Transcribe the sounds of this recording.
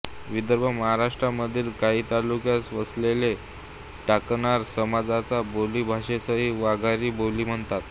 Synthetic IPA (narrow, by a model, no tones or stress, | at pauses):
ʋid̪əɾbʱəməɦaɾaʂʈɾaməd̪ʱiːlkaɦiːt̪alukjasʋəslele | ʈakɳaɾsəmad͡zat͡saboliːbʱaʂesəɦiːʋaɡʱaɾiːboliːm̤əɳt̪at̪̚